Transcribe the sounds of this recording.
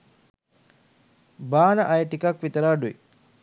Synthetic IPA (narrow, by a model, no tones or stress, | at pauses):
baːnəʔajəʈikakʋit̪əɾaːɖuḭ